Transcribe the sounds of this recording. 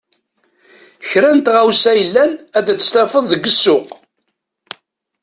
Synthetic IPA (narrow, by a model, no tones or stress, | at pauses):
çɾænt̪ʁawsæjəlːænæd̪æt͡sːə̥st̪æfəðˤðəɡːəsːʊq